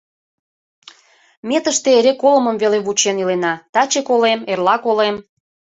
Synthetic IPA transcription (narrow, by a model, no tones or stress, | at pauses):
met̪əʃt̪eeɾekolə̆məmveleβut͡ɕenilenɑt̪ɑt͡ɕekolemerlɑkolem